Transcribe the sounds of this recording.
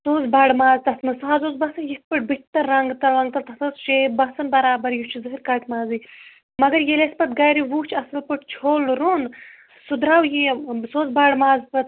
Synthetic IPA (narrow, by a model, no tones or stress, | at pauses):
soːzbaːɖmaːzt̪ɐsnɐsaːzoːzbɐsɨnjek̪̚pɨʈ̚biʈ̚t̪ɐːɐŋɡt̪ɐlɾɐŋɡ̚t̪ɐlt̪ɐsɐsʃebɐsɐnbɐɾaːbɐɾjut͡ʃʰizɨkiɾkaːʈmaːzi | mɐɡɐɾjelespɐt̪ɡɐːjɾiwuːt͡ʃʰɐsɨlpɨʈt͡ʃʰoːlɾun | sud̪ɾaːwjisoːzbaːɽmaːzpɐt̪̚